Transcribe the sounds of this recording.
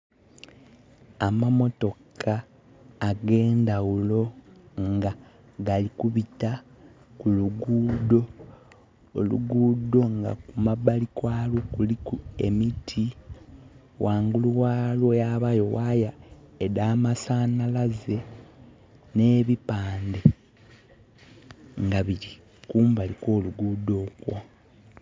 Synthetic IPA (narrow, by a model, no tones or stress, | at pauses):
amamo̞to̞kʰaː | ɡe̞ːndawulo̞ŋɡa | ɡalikuβita | kuluɡuːdo̞ː | lṵɡuːdo̞ŋɡa̰kumabalikwaːlokulikue̞̰mitʰi | wʔaːŋɡuluwaːlwojaβajo̞wajaedaːmasaːnalaze̞ | ne̞ːβipaːnde̞ | ŋɡaβiɾi | kuːmbaliko̞ːluɡuːdo̞ːkwo